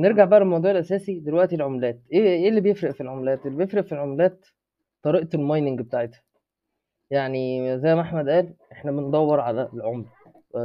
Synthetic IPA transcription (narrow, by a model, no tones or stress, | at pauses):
neɾɡaʕbaʔælmɑwd̪ˤuːʕelʔæsæːsid̪elwæʔt̪ilʕomlæːt̪ʔeːʔeːlːibejefɾæʔfilʕomlæːt̪ʔelːibejefɾeʔfilʕomlæːt̪ | t̪ːˤɑɾiːʔt̪elmɑjnɪŋɡbet̪aːʕet̪hæ̥ | jaʕnizæjːmʔaħmæd̪ʔæːlʔeħnæbend̪ˤɑwːeɾˤʕalælʕomlæ